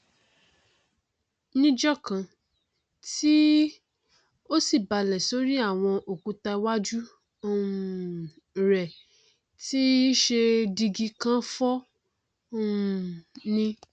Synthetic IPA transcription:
nĩ˦d͡ʒɔ˦kã˧ | ti˦ | o˦si˦˨ba˨lɛ˨so˦ɾi˦a˦˨w̃ɔ̃˧ʔo˨kũ˧ta˧wa˦d͡ʒu˦˨ | ɾɛ˨ | ti˦ʃe˧di˧ɡi˧kã˦fɔ˦˨ | nĩ˧

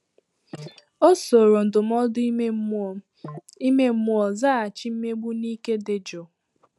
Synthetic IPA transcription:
o˦so˨ɾo˨n̩˨dʊ˨m̩˦ɔ˦dʊ˦ | i˦me˦m̩˦mu˦ɔ˨za˦a˨t͡ʃi˦m̩˦me˦ɡ͡bu˦niː˦ke˦de˨d͡ʒo˨

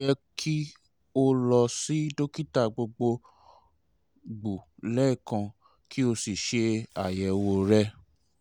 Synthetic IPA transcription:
ɛ˧kʰi˦ | o˦lɔ˧si˨˦do˦ki˦ta˦˨ɡ͡bo˧ɡ͡bo˧ | ɡ͡bu˨lɛ˦i˦˨kã˧ | ki˦o˧si˨ʃe˧a˨jɛ˨wo˧ɾɛ˦

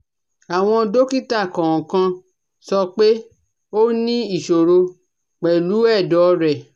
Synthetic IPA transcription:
a˨w̃ɔ̃˧do˦ki˦˨ta˦˨kɔ̃˨wɔ̃˨kã˧ | sɔ˧k͡pe˦ | o˦nĩ˦i˦˨ʃo˨ɾo˧ | k͡pɛ˨lu˨˦ɛ˦˨dɔ˨˦ɾɛ˨

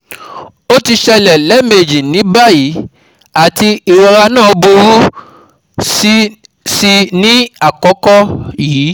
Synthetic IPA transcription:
o˦ti˧ʃɛ˧lɛ˨lɛ˨˦me˨d͡ʒi˨nĩ˨˦ba˦˨ji˨˦ | a˨ti˧i˨ɾɔ˨ɾa˧nã˦˨o˧bo˧ɾu˦ | si˧nĩ˦a˦˨kɔ˨˦kɔ˦jiː˨˦

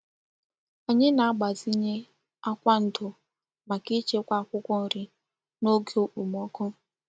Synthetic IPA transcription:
a˨ɲɪ˦na˨a˦ɡ͡ba˨zi˦ɲe˦ | a˦kʷa˦n̩˨tʊ˨ | ma˨ki˦t͡ʃe˦kʷa˦˨kʷʊ˦kʷɔ˦n̩˨ɾi˨ | no˦ɡe˨˦o˦k͡pu˨m˨ɔ˦kʊ˦

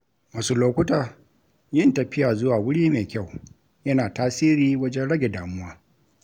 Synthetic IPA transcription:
maː˨suː˦loː˦kʷʊ˦taː˨ | jɪ˦ntɐ˨ɸɪ˦jaː˨zʊ˦waː˨wʊ˦ɽiː˦meː˨kʲa˦˨w | jɐ˦naː˨taː˦siː˦ɾiː˦wɐ˦d͡ʒɛ˦nɽɐ˦ɡʲe˨daː˨mʊ˦waː˦

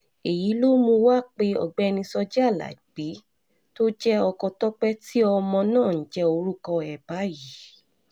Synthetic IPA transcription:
e˨ji˨˦lo˦mũ˧wa˦k͡pe˧ɔ̰˨ɡ͡bɛ˨˦ɛ˧nĩ˧sɔ˧d͡ʒɛ˦a˦˨la̰˨i˨k͡pi˨˦ | to˦d͡ʒɛ˦ɔ˧kɔ˧tɔ˦k͡pɛ˦ti˦ɔ˧mɔ̃˧nãː˦˨n̩˨d͡ʒɛ˦o˧ɾu˦kɔ̃˧ɛ˨ba˨˦ji˨˦

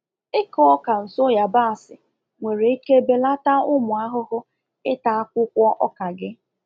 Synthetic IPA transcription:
ɪ˦kɔ˦ka˨n̩˨sʊ˦ja˨ba˦a˨sɪ˨ | ŋʷe˨ɾe˨i˦ke˦be˦la˦ta˦ʊ˦mʊ˨a˦ɦʊ˦ɦʊ˦ | ɪ˦ta˨a˦kʷʊ˦kʷɔ˦ʔɔ˦ka˨ɡɪ˦

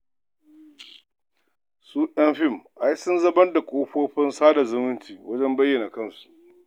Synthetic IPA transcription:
suː˦ʔɐ˦nɸɪ˦˨mʔa˦jsʊ˦nzɐ˦mɐ˦nda˨kʷʼoː˦ɸoː˦ɸɪ˦nsaː˦da˨zʊ˦mɪ˦ntiː˨wɐ˦d͡ʒɛ˦mbɐ˦jːɐ˨na˨kɐ˦˨nsu̥˨ʔ

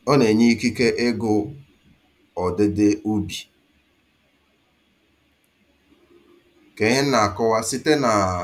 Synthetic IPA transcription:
ɔ˦ne˨ɲi˦ki˦ke˦ʔɪ˦ɡʊ˦ | ɔ˨dɪ˦dɪ˦u˦bi˨ | ke˨ɲɪ˦n̩˦na˨a˨kɔ˦wa˦sɪ˦te˦na˨

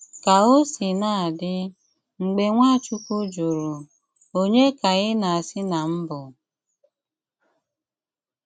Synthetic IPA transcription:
ka˨o˦si˨na˦˨a˨dɪ˦ | ŋ͡m̩˨ɡ͡be˨ŋʷa˦˨t͡ʃu˦ku˦d͡ʒo˨ɾu˨ | o˦ɲe˦ka˨ɣɪ˦na˨a˨sɪ˦na˨m̩˦bʊ˨

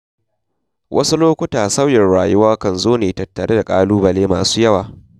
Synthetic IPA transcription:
wʔɐ̰˦su˦loː˦kʷʊ˦taː˨sɐ˦wjɛ˨nɽaː˨jʊ˦waː˦kɐ˨nzoː˦neː˨tɐ˨tːɐ˨ɽʔeː˦da˨kʼa̰ː˦luː˦bɐ˨leː˦ma̰ː˨su̥ː˦jɐ˦waː˨

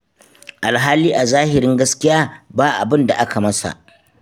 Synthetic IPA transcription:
ʔa˨lɦaː˦liː˦ʔa˨zaː˦hɪ˨ɾɪ˦ŋɡɐ˦skʲɪ˦jaː˦baː˦ʔa̰˨bɪ˦nda̰˨ʔa˦ka˨mɐ˦sa̰˨ʔ

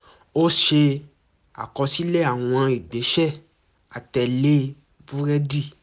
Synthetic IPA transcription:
o˦ʃe˧ | a̰˨kɔ˧si˦le˦a˨w̃ɔ̃˧a˧i˨ɡ͡be˨˦ʃɛ˦˨ | a˨tɛ˧˨le˦ | bu˦ɾɛ˦di˦˨

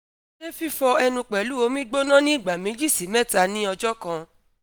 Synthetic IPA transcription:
e˦fi˦fɔ˧ɛ˧nũ˧k͡pɛ˨lu˦o˨˧˦mĩ˦ɡ͡bo˦nã˦nĩ˦i˨ɡ͡ba˨mĩ˨˦d͡ʒi˦˨si˨˦mɛ̃˦˨ta˧nĩ˦ɔ˧d͡ʒɔ˦kã˧

